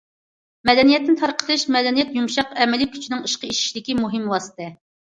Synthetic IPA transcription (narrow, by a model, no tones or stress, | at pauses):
mɛd̪ɛnijɛt̪nɪt̪ʰɑɾqʰə̥lˠɨʃmɛd̪ɛnijɛt̪jumʃɑqɛmɛlikʲʰy̥t͡ʃʰinɪŋiʃqəiʃi̥ʃlɪkʲimuɦɨmwɑːsɨ̥t̪ʰɨ